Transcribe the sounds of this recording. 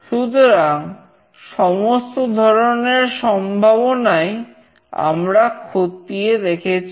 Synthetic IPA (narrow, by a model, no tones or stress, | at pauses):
ʃut̪oɾaŋ | ʃɔmost̪od̪ʱɔɾoneɾʃɔmbʱaβonae | a̰mɾakʰot̪ijed̪ekʰet͡ɕʰ